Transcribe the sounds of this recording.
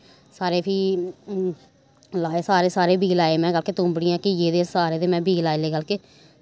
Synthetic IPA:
saːɾeːpʰiː | laːeːsaːɾeːsaːɾeːbiːlaːeːmɛ̃ːɡəlkeːt̪ʊ̃ːmbɽiːãːkɪjeːd̪eːsaːɾeːd̪eːmɛ̃ːbʱiːlaːeleːɡəlkeː

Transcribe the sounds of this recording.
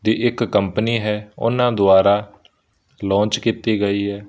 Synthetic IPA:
d̪iːʔɪkːəmpəniːɦɛːʊ̰nãːd̪ʊaːɾaː | lɔ̃ːnt͡ʃkit̪iːɡəiːɦɛː

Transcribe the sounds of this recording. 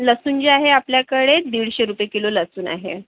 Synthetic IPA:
ləsuːnd͡ʑeaɦeapljakəɽed̪iɭɕeɾupjekiloləsuːna̰ɦḛ

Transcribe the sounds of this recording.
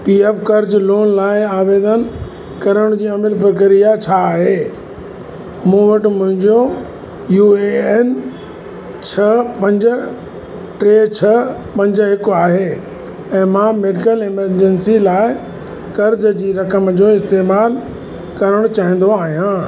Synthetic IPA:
piːefkɐɾd͡ʑloːnlaːɪaːʋeːd̪ən | kɐɾəɽ̃d͡ʑiːɐmɪlpəɾk̬əɾijat͡ɕʰaːɦeː | mũːʋɐʈɪ̆mʊ̃ɦɪ̃ɲd͡ʑo | juːen | t͡ɕʰɐpɐ̃ɲd͡ʑə̆ | ʈɾeːt͡ɕʰɐpɐ̃ɲd͡ʑəɦɪkaːɦeː | ɛ̃ːmãːmeːɖɪkəlɪməɾd͡ʑɛnsilaːɪ | kɐɾd͡ʑd͡ʑiːɾɐkəmd͡ʑoːɪst̪eːmaːl | kɐɾəɽ̃t͡ɕaːɦĩːn̆d̪oaːɦijãː

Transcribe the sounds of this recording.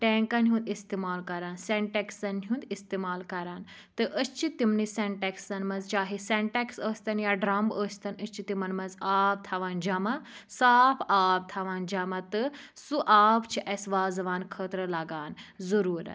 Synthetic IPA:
ʈeːŋkɐnɦũnd̪ist̪iːmaːlkɐɾaːnseɳʈeksɐnɦjũnd̪ist̪eːmaːlkɐɾaːn | t̪ɨʔəst͡ʃʰit̪imniseɳʈeksɐnmɐnzt͡ʃaːɦiseɳʈeksəːsʲt̪ɐnjaːɖɾɐmbəːst̪ɐnəst͡ʃʰit̪imɐnmɐnzaːb̚t̪ʰɐʋaːnd͡ʒɐmɐsaːpʰaːb̚t̪ʰɐʋaːnd͡ʒɐmɐt̪ɨsuʔaːbt͡ʃʰiʔɐsʋaːzɐʋaːnkʰəːt̪ɾɐlɐɡaːnzɐɾuːɾɐ̰

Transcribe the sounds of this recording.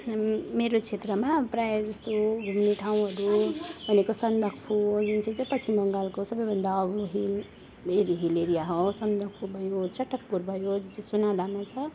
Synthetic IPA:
meɾot͡sʰet̪rʌmaprajd͡zʌst̪oɡʱumniʈʰaw̃ɦʌɾubʱʌnekosʌnd̪ʱʌkpʰujunt͡sʰit͡sãpʌt͡sʰimʌŋɡalkosʌbʌjbʱʌnd̪aʌɡloɦil | eɾiɦileɾijaɦosʌnd̪ʱʌk̚pʰubʱʌjot͡sʰʌʈʌk̚puɾbʱʌjod͡zesunad̪ʱamat͡sʰʌ

